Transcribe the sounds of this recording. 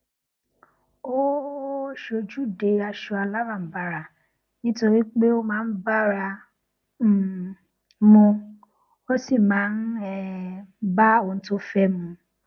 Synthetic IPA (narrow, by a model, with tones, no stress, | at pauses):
o˦ | ʃo˧d͡ʒu˦de˨˦a˧ʃu˧a˧la˦mãː˦˨n̩˦ba˨ɾa˨ | nĩ˦to˧ɾi˦k͡pe˦o˦mãː˨˦n̩˦ba˦ɾa˧˨ | mũ˧ | o˦si˦˨mãː˨˦n̩˦ɛ˦ba˦o˨n̩˦to˦fɛ˦mũ˧